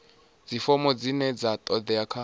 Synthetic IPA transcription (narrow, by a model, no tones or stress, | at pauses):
d͡zifɔmɔd͡zinɛd͡zat̪ʼɔd̪ɛakʰa